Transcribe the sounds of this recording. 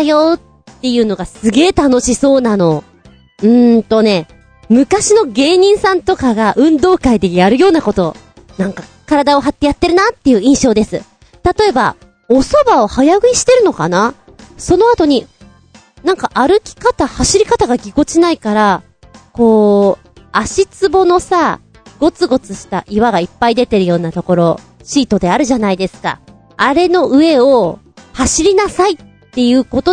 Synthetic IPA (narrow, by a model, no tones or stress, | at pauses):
jo̞t̪ː | e̞jɯ̟ːno̞ɡasɨɡe̞ːt̪ano̞ɕiso̞ːnano̞ | ɯ̟̃t̪o̞ne̞ | mɯ̟kaɕino̞ɡe̞ːɲ̟ĩɰ̃sãnt̪o̞kaɡaʔɯ̟̃nd̪o̞ːkaid̪e̞jaɾɯ̟jo̞ːnako̞t̪o̞ | nãŋka | kaɾad̪ao̞ɦat̪ːe̞jat̪ːe̞ɾɯ̟nat̪ːe̞jɯ̟ːĩɰ̃ɕo̞ːd̪e̞sɨ | t̪at̪o̞e̞ba̰ | o̞so̞bao̞hajaɡɯ̟iɕi̥t̪e̞ɾɯ̟no̞kana | so̞no̞at̪o̞ɲ̟i | nãŋkaʔaɾɯ̟kʲi̥kat̪ahaɕiɾʲikat̪aɡaɡʲiɡo̞t͡ɕinaikaɾa | ko̞ː | aɕit͡sɨbo̞no̞sa | ɡ̥o̞t͡sɨɡo̞t͡sɨɕi̥t̪a̰ʔiβaɡaipːaid̪e̞t̪e̞ɾɯ̟jo̞ːnat̪o̞ko̞ɾo̞ɕiːt̪o̞d̪e̞aɾɯ̟ʑanaid̪e̞sɨ̥ka̰ | aɾe̞no̞ʔɯ̟e̞o̞ | haɕiɾʲinasait̪ːe̞jɯ̟ːko̞t̪o̞